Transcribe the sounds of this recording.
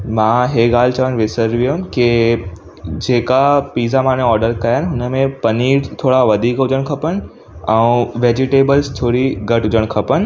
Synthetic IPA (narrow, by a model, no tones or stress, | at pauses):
mãːɦeːɡaːl̤ɪt͡ɕɐʋəñʋɪsəɾʋiʊ̃ke | d͡ʑeːkapiːzamãːnẽɔːɾɖəɾkɐjaːnɪɦʊnəmẽpɐniːɾt̪ʰoːɽaʋɐd̪ʱiːkɦʊd͡ʑəɽ̃kʰɐpəñɪ̆ | ɛ̃ũʋeːd͡ʑɪʈeːbəlst͡ɕʰoːɽiɡɐʈɦʊd͡ʑəɽ̃kʰɐpənɪ̆